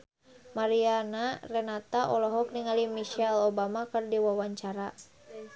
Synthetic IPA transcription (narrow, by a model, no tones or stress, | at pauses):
maɾianarɛnat̪aʔɔlɔɦɔkniŋalimiʃɛlɔbamakɨrdiwawaɲt͡ʃaɾa